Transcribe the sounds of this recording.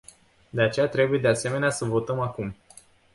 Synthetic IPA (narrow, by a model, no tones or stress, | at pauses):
d̪e̞at͡ʃe̞jat̪ɾe̞buje̞d̪e̞ase̞me̞neasəvo̞t̪əmakum